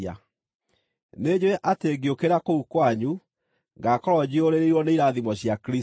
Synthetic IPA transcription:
a̰ | ned͡ʑoɛʔateːɡiokeɾakoukwaɲu | ŋɡaːkɔɾɔd͡ʑioɾeɾeiɾwɔneiɾaðimɔɕjakɾi

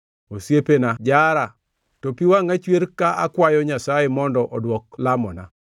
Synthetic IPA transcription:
osjepenad͡ʒaɾa | tɔpiwaŋat͡ʃweɾkaʔakwajɔɲasajemɔndɔʔɔdwɔklamɔna̰

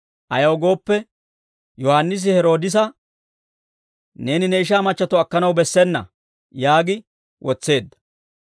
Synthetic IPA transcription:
ʔɐjɐwɡo̞ːpːɛ | jɔhanːɪs̬ɪhɛɾo̞ːd̪ɪs̬ɐ | ne̞ːnɪnɛɪʃ̬aːmɐt͡ʃːɐt̪ɔɐkːɐnɐwbɛsːɛnːɐ̰ | jaːɡɪ | wʔɔt͡sːe̞ːd̪ːɐ̥

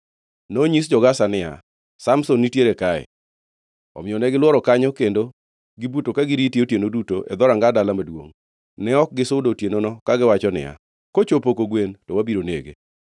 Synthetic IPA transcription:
noɲisd͡ʒɔɡasanɪa̰ | samsonːitjeɾekaɛ̰ | ɔ̰mɪɔnɛɡɪlwɔɾɔkaɲɔkendo | ɡɪbutokaɡɪɾitjiotjenodutoʔɛ̰d̪ɔɾaŋɡadalamadwo̰ŋ | nɛɔk̚ɡɪsʊdotjenonɔkaɡɪwat͡ʃɔnɪ̰ja̰ | kot͡ʃopokoɡwentɔwabiɾonḛɡḛ

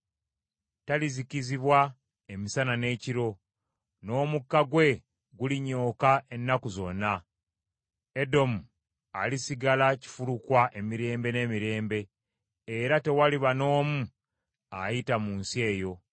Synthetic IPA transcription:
taliziciziβwa | emisanane̞ːciɾo̞ | no̞ːmukːaɡwe̞ | ɡuliɲo̞ːkaʔe̞nːakuzo̞nːa | edo̞mu | a̰lisiɡalaci̥fulukwaʔe̞miɾe̞ːmbe̞ne̞ːmiɾe̞ːmbe̞ː | ɾate̞waliβano̞ːmu | ajitamuːnsie̞ːjo̞

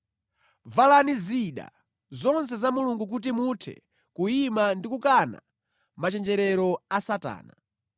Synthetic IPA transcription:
valaniziɗa̰ | zɔns̬ɛzamuluŋɡuk̬ut̬imutʰɛ̰ | kuimandikukana̰ | mat͡ʃɛnd͡ʒɛɾɛɾɔasata̰ːna

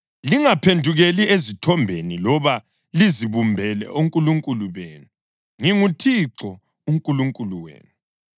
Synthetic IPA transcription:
liŋapʰendʱuɣeliezitʰɔmbʱenilɔβa | liziβumbʱɛlɛ̰ʔuŋkʼuluŋkʼuluβeːnu | ŋiŋutʰiǁɔ | uŋkʼuluŋkʼuluwḛːnu

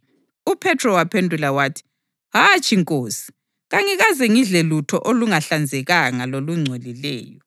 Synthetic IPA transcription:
upʰɛtʰrɔwapʰendʱulawaːtʰi̥ | ɦat͡ʃʼiŋkʼoːsi̥ | ɣaŋiɣazɛŋiɮɛlutʰɔ̰ʔoluŋaɬand͡zʱɛɣaŋaloluŋ͡ǀʱolilɛ̰ːjɔ

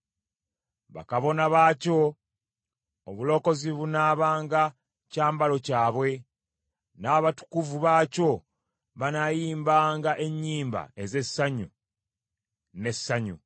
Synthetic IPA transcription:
βa̰kaβo̞naβaːco̞ | βulo̞ːko̞ziβunaːβaːŋɡa | caːmbalo̞caːβwe̞ | naːβatu̥kuvuβaːco̞ | βanajiːmbaːŋɡaʔe̞ɲːiːmba̰e̞ze̞sːaɲu | ne̞sːaɲṵ

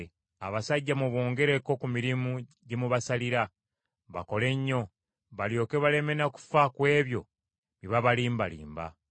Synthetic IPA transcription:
a̰βasaɟːamuβo̞ːŋɡe̞ɾe̞ko̞kumiɾimu | ɟemuβasaliɾa | βa̰ko̞le̞ɲːo̞ | βaljo̞ːke̞βale̞me̞naku̥fakwe̞ːβjo̞̰ | βiβaβaliːmbalḭːmba̰

